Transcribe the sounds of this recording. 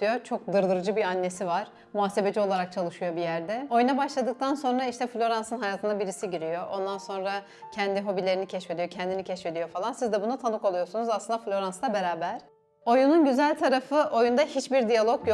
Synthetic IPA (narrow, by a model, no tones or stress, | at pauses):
jot͡ʃʰo̞k̚d̪ɯɾlˠɯɾɯd͡ʒɯbianːe̞sivaɾ̥ | muaːse̞be̞d͡ʒio̞lˠaɾak̚t͡ʃʰalˠɯʃujo̞bijæɾd̪ɛo̞junabaʃlˠad̪ɯk̚t̪ʰanso̞nɾaiʃt̪ʰɛflʲo̞ɾansɯnɦajaːt̪ʰɯnd̪abiɾisiɟiɾijo̞ʔo̞nd̪anso̞nɾa | cʰɛnd̪iɦo̞bilʲeɾinicʰɛʃfe̞d̪ijocʰɛnd̪inicʰɛʃfe̞d̪ijo̞falˠansizd̪ɛbunat̪ʰanɯko̞lˠujo̞sunuzaslˠɯnd̪aflʲo̞ɾanslˠabe̞ɾaːbæɾ̥ | o̞jununɟyzælʲt̪ʰaɾafɯʔo̞jund̪ahit͡ʃbiɾd̪ijalˠo̞kj